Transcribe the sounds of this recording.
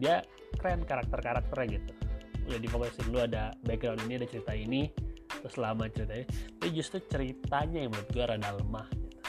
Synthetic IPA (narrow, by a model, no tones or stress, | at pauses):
dia | kɾɛnkaɾak̚t̪ərkaɾak̚t̪əɾjaɡit̪uladifokasɪnluadabak̚ɡɾawniniadat͡ʃəɾit̪ainit̪ɾʊslamat͡ʃəɾit̪aiɲit̪apid͡ʒust̪ɾut͡ʃəɾit̪aɲajaŋməlat̪̚ɡuaɾadaləmahɡit̪u̥